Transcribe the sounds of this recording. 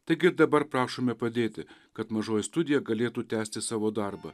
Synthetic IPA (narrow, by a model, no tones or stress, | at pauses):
t̪ɐɪɡʲɪɾd̪ɐbɐɾpɾɑːʃoːmʲɛpɐd̪ʲeːt̪ʲɪkɐt̪mɐʒoːjɪst̪ʊd̪ʲɪjɛɡɐlʲeːt̪uːt̪ʲæːsʲt̪ʲɪsɑːʋoːd̪ɑɾbɐ̰